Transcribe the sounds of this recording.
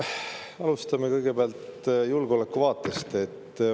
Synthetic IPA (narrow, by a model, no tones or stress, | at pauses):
ɑlust̪ɑmekɤjɡ̥e̞beɑlt̪julɡ̥o̞lekːˑuvɑːt̪ːˑest̪e̞t̪ː